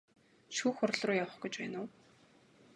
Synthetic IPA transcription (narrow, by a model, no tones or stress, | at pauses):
ʃuːxʊr̆ɮrʊːjawə̆χɡut͡ɕpæːnʊː